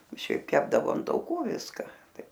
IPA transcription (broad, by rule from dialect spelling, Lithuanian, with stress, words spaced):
ˈʃʲɛɪp ˈkʲæːbdɐʋoː ɐn tɐʊˈkuː ˈʋʲɪskɐ ˈtɐɪ